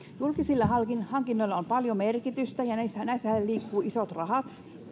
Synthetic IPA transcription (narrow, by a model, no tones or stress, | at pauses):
julkisilːɑhɑlkinhɑŋkinːoilːɑompɑljomerkit̪yst̪æjɑnæisːænæisæhelliːkːuːisot̪rɑhɑt̪